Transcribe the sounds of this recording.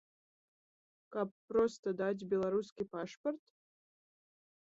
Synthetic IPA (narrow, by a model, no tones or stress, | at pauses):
kapːɾɔst̪ɐd̪ad͡zʲbʲɛlˠaɾuskʲipaʂpɐrt̪